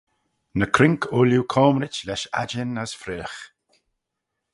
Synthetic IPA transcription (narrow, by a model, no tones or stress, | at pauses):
nəkʰɾɪŋkʰʊljukʰɔːmɾɪt͡ʃlɛʃa̰d͡ʒɪnəsfɾeːx